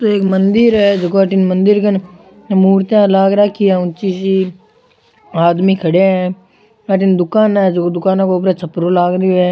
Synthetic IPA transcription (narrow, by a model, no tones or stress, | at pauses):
t̪oeːkmənd̪ɪɾɦɛd͡ʒəkoaʈɪnmə̃nd̪ɪɾkən | muːɾt̪jãlaːɡɾaːkʰːiɛʊ̃nt͡ʃiːsi | aːd̪mikʰɐɽeɛ | aʈ̬ɪnd̪ʊkaːnɛd͡ʒkod̪ʊkaːnõkoʊp̬ɾet͡ʃʰɐpɾolaːɡɾiɛː